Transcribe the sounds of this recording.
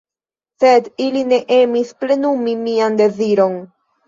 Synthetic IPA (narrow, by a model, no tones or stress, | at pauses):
se̞diline̞ʔe̞misple̞numimiande̞ziɾo̞n